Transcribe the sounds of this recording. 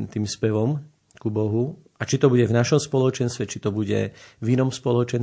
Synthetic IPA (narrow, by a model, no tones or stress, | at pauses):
t̪iːmspɛʋɔm | kubɔɦu | at͡ʃit̪ɔbuɟɛvnaʃɔmspɔlɔt͡ʃɛnst̪ʋɛt͡ʃit̪ɔbuɟɛ̰vinɔmspɔlɔt͡ʃɛn